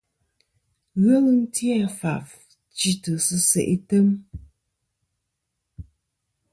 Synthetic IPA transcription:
ɣə˦ɣɨ˦n̩˦tjɛ˦˨fa˨f | t͡ʃi˦tɨ˨sɨ˦sḛ˨ʔi˦tə˦m

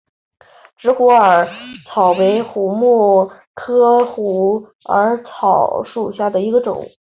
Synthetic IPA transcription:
ʈ͡ʂɻ̩˧˥xu˧˥ə˞˨˩t͡sʰɑ˨˩ʊwe˧˥ɪxu˧˥mu˥˩ | kʰɤ˥xu˧˥ | ə˞˧˥t͡sʰɑ˨˩ʊʂu˨˩ɕja˥˩d̪ə˩i˧˥ɡə˧ʈ͡ʂʊ̰˨˩˦ŋ

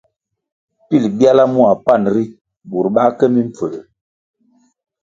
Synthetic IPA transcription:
pi˦˨lbja˦la˦mu˦a˨pa˦˨nɾi˦ | bu˨ɾɓa˦kɛ˦mi˦m̩˨p͡fə˨l

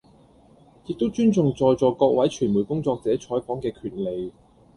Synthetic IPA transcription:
jɪ˨k̚t̪o˥wt͡ʃyː˥nt͡sʊ˨ŋt͡sɔː˨˧jt͡sɔː˨˧kɔː˧k̚wɐ˨˥jt͡ʃʰyː˨˩nmu˨˩jkʊ˥ŋt͡sɔː˧k̚t͡sɛː˨˥t͡ʃʰɔː˨˥jpɔː˨˥ŋkɛː˧kʰyː˨˩nle˨˧j

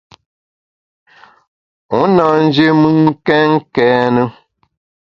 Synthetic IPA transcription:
o˨˦na˨n̩˦d͡ʒi˦mɨ˦ŋ˦kɛ˦ŋ̩˦kɛ˨˦nə˦

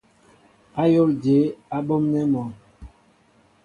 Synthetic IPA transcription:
a˦jo˦˨ld͡ʒe˨˦a˦ɓo˦mnɛ˦mɔ˨

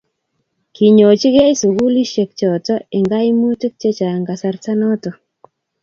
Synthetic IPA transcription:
ki˨ɲo˨t͡ʃi˦ɡe˦ɪ˦su˨ɡu˦li˦ʃe˨k̚t͡ʃɔ˨tɔ˦ɪ˨ŋɡa˦i˦mu˦ti˦k̚t͡ʃe˦t͡ʃa˨ŋɡa˨sa˦ɾta˦nɔ˦tɔ˨

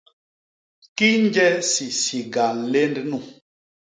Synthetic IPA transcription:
ki˦n˦d͡ʒɛ˦si˨si˨ɡa˨le˦ndnu˦˨

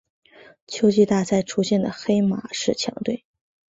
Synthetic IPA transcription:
t͡ɕʰjo˥ʊt͡ɕi˥˧t̪a˥˧t͡sʰa˥˩ɪʈ͡ʂʰu˥ɕjɛ˥˩nd̪ə̰˩xe˥ɪma̰˨˧˥ʂɻ̩˥˩t͡ɕʰjɑ̰˧˥ŋt̪we˥˩ɪ

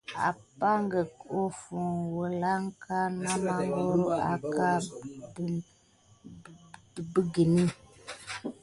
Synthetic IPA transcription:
a̰˨pa˦ŋ˦ɡə˨ko˦fu˨ŋwo˨la˦ŋ˦kʰa˦na˦ma˦ŋ˦ɡo˦ɾo˦a̰˨ka˦˨ | bi˦ɡi˨ni˦

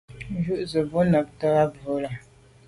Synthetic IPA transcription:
d͡ʒu˦ʔzə˨bo˦nə˨p̚ta˦ɣa˦bə˨˦la˨

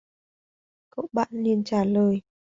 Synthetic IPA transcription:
ko̰˧˥˨ɓa̰ː˧˨nli˧ənt͡ɕaː˧˩ləː˨˩j

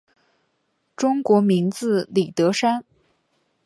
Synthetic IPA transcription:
ʈ͡ʂʊ˥ŋkwɔ˧˥mi˧˥ŋt͡sɹ̩˥˧li˨˩t̪ɤ˧˥ʂa˥n

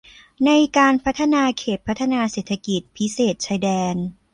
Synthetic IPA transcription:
na˧jkaː˧npʰa˦˥t̪ʰːa˧naː˧kʰeː˨˩t̪̚pʰa˦˥t̪ʰːa˧naː˧seː˨˩t̪ʰːa˧ki˨˩t̪̚pʰi˦˥seː˨˩t̪̚t͡ɕʰaː˧jdɛː˧n

